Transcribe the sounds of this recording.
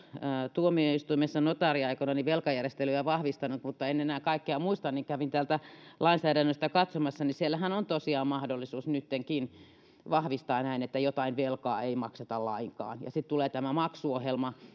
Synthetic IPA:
t̪uomioist̪uimesːɑnot̪ɑriɑikonɑniʋelkɑjærest̪elyjæʋɑhʋist̪ɑnut̪mut̪ːɑenenæːkɑikːeɑmuist̪ɑnːiŋkæʋint̪æːlt̪ælɑinsæːɾænːøst̪ækɑt̪somɑsːɑnisielːæhænont̪osiɑːmmɑhdolːisuːsnyt̪ːeŋkin | ʋɑhʋist̪ɑːnæinet̪ːæjot̪ɑinʋelkɑ̰ːeimɑkset̪ɑllɑiŋkɑ̰ːnjɑ̰sit̪t̪uleːt̪æmæmɑksuohelmɑ

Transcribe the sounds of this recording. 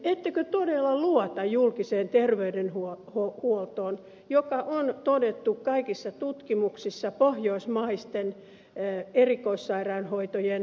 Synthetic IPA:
et̪ːekøt̪odelːɑluɔt̪ɑjjulkiseːnt̪erʋeydenhuohohuolt̪oːn | jokɑʔont̪odet̪ːukkɑikisːɑt̪ut̪kimuksisːɑpohjoismɑist̪en | erikoisːɑirɑːnhoit̪ojen

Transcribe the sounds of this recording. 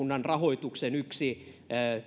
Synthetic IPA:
unːɑnrɑhoit̪uksenyksi

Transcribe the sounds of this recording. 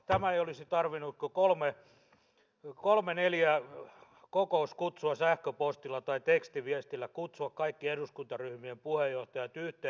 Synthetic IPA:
t̪æmæeiolisit̪ɑrʋinut̪kokolme | kolmeneljæ | kokouskut̪suɑsæhkøpost̪ilːˑɑt̪ɑit̪ekst̪iʋiæst̪ilːækut̪suɑkkɑikːieduskunt̪ɑryhmiempuhejjoht̪ɑjɑt̪yht̪eˑ

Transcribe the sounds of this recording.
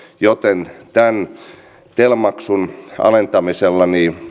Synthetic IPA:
jot̪ent̪æn | t̪elmɑksunɑ̰lent̪ɑmiselːɑniː

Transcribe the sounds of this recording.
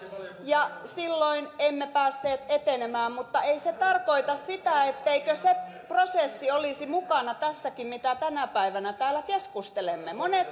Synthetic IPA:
jɑsilːoinemːepæːsːeːt̪et̪enemæːmmut̪ːɑeiset̪ɑrkoit̪ɑssit̪æet̪ːeikøse | prosesːiolisimukɑnɑt̪æsːækimmit̪æt̪ænæpæiʋænæt̪æːlækeskust̪elemːemonet̪

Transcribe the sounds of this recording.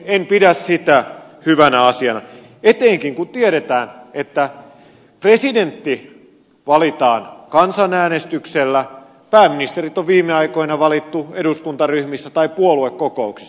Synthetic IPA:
empidæssit̪æ | hyʋænæɑsiɑnɑ̰ | et̪eːŋkiŋkut̪ieɾet̪æːnet̪ːæ | president̪ːi | ʋɑlit̪ɑːnkɑnsɑnæːnest̪ykselːæ | pæːmːinist̪erit̪oʋʋiːmːeɑikoinɑʋɑlit̪ːueduskunt̪ɑryhmisːæt̪ɑipuoluekːokouksi̥sː

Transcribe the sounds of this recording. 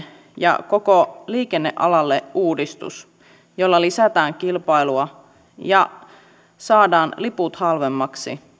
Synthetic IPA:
jɑ̰kokoliːkenːḛʔɑlɑlːeʔuːdist̪ṵs | jolːɑlisæt̪æːŋk̟ilpɑiluɑ | jɑ | sɑːdɑːnliput̪hɑlʋemːɑksḭ

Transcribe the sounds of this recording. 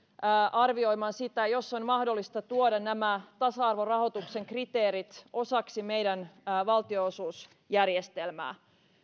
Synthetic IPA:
ʔɑrʋio̞jmɑnsit̪æjo̞sːonmɑhdolːist̪ɑt̪uodɑnæmæt̪ɑsɑɑrʋorɑho̞t̪ukse̞ŋkrit̪eːɾit̪ʔo̞sɑksime̞jdænʋɑlt̪ioosuːs | jærjest̪elmæ̰ː

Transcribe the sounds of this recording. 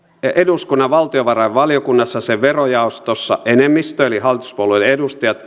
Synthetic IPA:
eduskunːɑʋʋɑlt̪ioʋɑrɑiʋʋɑljokunːɑsːɑseʋʋerojɑˑost̪osːɑ̰ʔenemːist̪øelihɑlːit̪u̥spolueledust̪ɑjɑt̪

